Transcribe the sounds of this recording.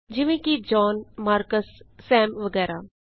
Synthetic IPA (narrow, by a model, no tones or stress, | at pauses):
d͡ʒɪʋẽːkid͡ʒɔːnmaːɾkəsːɛːmʋəɡɛːɾaː